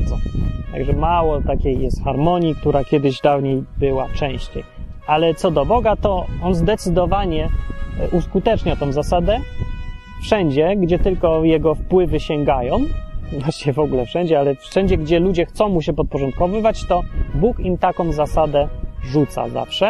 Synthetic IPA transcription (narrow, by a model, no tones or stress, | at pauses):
ɔt̪a̰ɡʐɛmawɔt̪akʲejːɛst̪xaɾmɔɲik̚t̪uɾakʲjɛd̪ɘʑd̪avɲejbɘwaft͡ʂɛ̃w̃ɕt͡ɕej | alɛt̪sɔd̪ɔbɔɡat̪ɔɔnzd̪ɛt̪sɘd̪ɔvaɲɛʔuskut̪ɛt͡ʂɲat̪ɔ̃w̃zasad̪ɛ | fʂɛɲd͡ʑɛɡd͡ʑɛt̪ɘlkɔjɛɡɔfpwɘvɘɕɛŋɡajɔ̃w̃vwaɕɲɛvɔɡulɛfʂɛɲd͡ʑɛalɛfʂɛɲd͡ʑɛɡd͡ʑɛlud͡ʑɛxt̪sɔ̃w̃muɕ̬ɛpɔt̪̚pɔʐɔnt̪kɔvɘvat͡ɕt̪ɔbukimt̪akɔ̃w̃zasad̪ɛʐut̪sa̰za̰fʂɛ